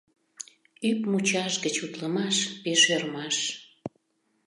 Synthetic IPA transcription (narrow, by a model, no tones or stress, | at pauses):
ypmut͡ɕɑʃɡət͡ɕut̪ləmɑʃpeʃørmɑʃ